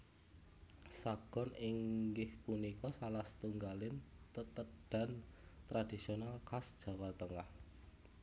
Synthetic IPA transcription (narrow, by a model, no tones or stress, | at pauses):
saɡ̥ɔ̤nɪŋɡɪhpunikɔsalaht̪uŋɡalɪnt̪ət̪əɖ̥a̤nt̪ɾad̥isionalkasd̥ʒ̥a̤walt̪əŋah